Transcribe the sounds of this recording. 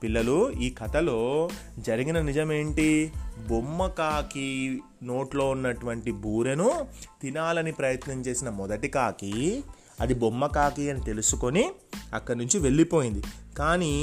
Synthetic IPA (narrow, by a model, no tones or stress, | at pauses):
pilːɐluiːkʰɐt̪ɐlo̞ː | d͡ʒɐɾiɡinɐnid͡ʒɐme̞ːɳʈibomːɐkaːki | noːʈlo̞ːunːɐʈuʋɐɳʈibʱuːɾenut̪inaːlɐnipɾɐjɐt̪nɐmt͡ʃe̞ːsinɐmɔd̪ɐʈikaːki | ɐd̪ibomːɐkaːkiɐnit̪e̞lusuko̞niɐkːɐɽnuɲt͡ʃiʋe̞ɭːipo̞ːjind̪ikaːni